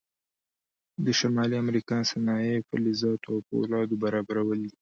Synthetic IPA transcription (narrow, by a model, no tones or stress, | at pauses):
d̪əʃamɑliamɾikɑnsanɑjepə̰lizɑt̪oawpo̰lɑd̪obaɾɑbaɾawəld̪i